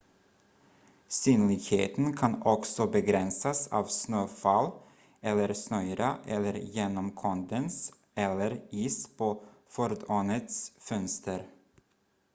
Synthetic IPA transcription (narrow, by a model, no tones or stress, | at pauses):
syːnlɪɡhḛːt̪ənkʰɑnɔksɔbɛɡɾɛnsasɑ̰ːvsnøːfal | ɛlːəɾsnœʏɾaʔɛlːəɾjeːnɔmkʰɔnd̪əns | ʔɛlːəɾiːspʰoːfœɾd̪oːnət̪sfœnst̪əɾ